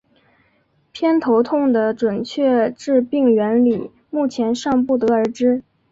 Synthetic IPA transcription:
pʰjɛ˥nt̪ʰo˧˥ʊt̪ʰʊ˥˩ŋd̪ə˩ʈ͡ʂwə˨˩nt͡ɕʰɥɛ˥˧ʈ͡ʂɻ̩˥˧pi˥˩ŋɥɛ˧˥nli˨˩˦ | mu˥˩t͡ɕʰjɛ˧˥nʂɑ˥˧ŋpu˥˩t̪ɤ˧˥ə˞˧˥ʈ͡ʂɻ̩˥

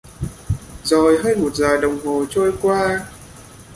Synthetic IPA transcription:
zo˨˩jɦəː˧jmo˨˩t̚zaː˨˩jɗə˨˩wŋ͡mɦo˨˩t͡ɕo˧jkwaː˧

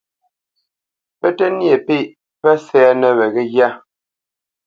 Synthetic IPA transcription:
pɛ˦tɛ˦nje˨pe˦˨ʔ | pɛ˦sɛ˨˦nə˦βɛ˨ɣɛ˦ɣja˦

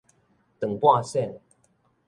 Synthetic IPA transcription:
t̪ə˨˩ŋpwa˥˧sɛ˥˨n

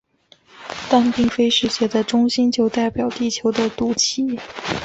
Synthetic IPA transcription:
t̪a˥˧npi˥˧ŋfe˥ɪʂɻ̩˥˩ɕjɛ˧˩d̪ə˨ʈ͡ʂʊ˥ŋɕi˥nt͡ɕjo˥˧ʊt̪a˥˩ɪpjɑ˨˩ʊt̪i˥˩t͡ɕʰjo˧˥ʊd̪ə˧t̪u˨˥˩t͡ɕʰi˧˥˦

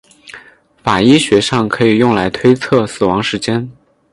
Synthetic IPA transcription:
fa˨˩i˥ɕɥɛ˧˥ʂɑ˥˩ŋkʰɤ˧˥i˨˩jʊ˥˩ŋla˧˥ɪt̪ʰwe˥ɪt͡sʰɤ˥˩sɹ̩˨˩wɑ˧˥ŋʂɻ̩˧˥t͡ɕjɛ˥n

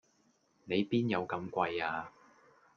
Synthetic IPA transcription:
ne˨˧jpiː˥njɐ˨˧wkɐ˨˧mkʷɐ˧jaː˧

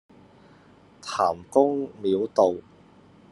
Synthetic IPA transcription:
t̪ʰaː˨˩mkʊ˥ŋmiː˨˧˥wt̪o˨w

